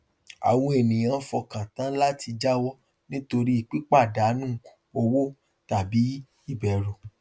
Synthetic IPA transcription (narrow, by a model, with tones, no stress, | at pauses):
a̰˨w̃ɔ̃˧e˨nĩ˨j̃ã˨˧˦fɔ˧kã˨tã˦la˦ti˧d͡ʒa˦wɔ˦ | nĩ˦to˧ɾi˦i˨k͡pi˦k͡pa˦˨da˨˦nũ˦˨u˨o˧wo˦ | ta˨bi˨˦ | i˦˨bɛ˨ɾo˨